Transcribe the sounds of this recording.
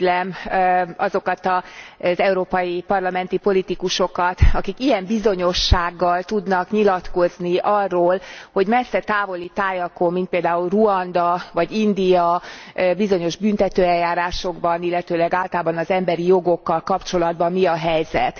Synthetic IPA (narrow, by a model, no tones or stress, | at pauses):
lɛmɒzo̞kɒt̪ɒzɛuɾoːpɒjipɒrlɒmɛnt̪ipo̞lit̪ikuʃo̞kɒt̪ɒkikijɛmbizo̞ɲo̞ʃːaːɡːɒlt̪ud̪nɒkɲilɒt̪ko̞zniʔɒrːoːlho̞ɟmɛsːɛt̪aːvo̞lit̪aːjɒkomːint̪̚peːld̪aːulruɒnd̪ɒvɒɟind̪ijɒbizo̞ɲo̞ʒbynt̪ɛt̪øːɛljːaːɾaːʃo̞ɡbɒnilːɛt̪øːlɛɡaːlt̪ɒlaːbɒnɒzɛmbɛɾijo̞ɡo̞kːɒlkɒpt͡ʃo̞lɒd̪̚bɒmːiɒɦɛjzɛ̰t̪